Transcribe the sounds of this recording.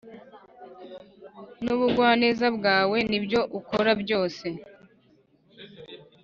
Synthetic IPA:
nuβuɡwaːneːzabɡaːwe̞nibjo̞ʔukoɾabjo̞ːse̞

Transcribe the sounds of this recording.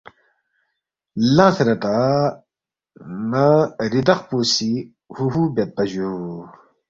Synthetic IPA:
lãːsɾɐt̪a | naɾid̪ɐqpuːsi | huɦubɐt̪̚pɐʑuu

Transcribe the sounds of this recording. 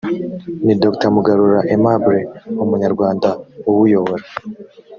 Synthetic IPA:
nidoktamuɡaɾuɾaʔemabuɾeumuɲaɾɡwaːndauwujoβoɾa

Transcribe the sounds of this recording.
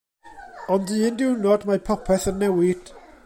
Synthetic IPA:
ɔndɨːndɪwnɔdmapʰɔpʰɛθənːɛwɪd̥

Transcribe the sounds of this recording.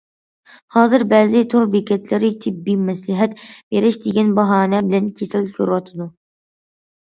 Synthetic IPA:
hɑːzɨɾbɛːzɪt̪ʰoɾbekʲʰɛt̪ʰlɪɾɪt̪ʰɪbːimɛslɪɦɛt̪beɾɪʃd̪eɡʲɛnbɑɦɑːnɛbɪlɛnkʲʰesɪlkʲʰøɾwɑt̪ʰɨd̪u

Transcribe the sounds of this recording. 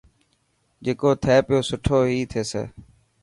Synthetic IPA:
d͡ʒeːkoːt̪ʰɛːpɪjoːsʊʈʰoːɦiːt̪ʰeːsḛː

